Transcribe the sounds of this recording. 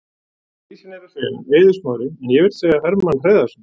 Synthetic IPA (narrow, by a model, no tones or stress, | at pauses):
isɪnɛɾafɛleːðʏsmaːwɾɪɛnjɛvɪɾ̥t̪sɛːɣahɛɾmanr̥eːðasn